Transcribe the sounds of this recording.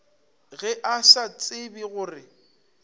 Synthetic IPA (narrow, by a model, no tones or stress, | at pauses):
ɣɛʔasat͡sʼɪbiɣʊːrɪ